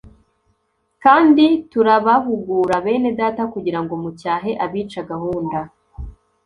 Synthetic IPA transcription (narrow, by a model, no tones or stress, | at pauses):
kaːndituɾaβaɦuɡuːɾaβe̞ːne̞daːtakuɟiɾaŋɡomucaːɦe̞ʔaβiːt͡ʃaɡahuːnda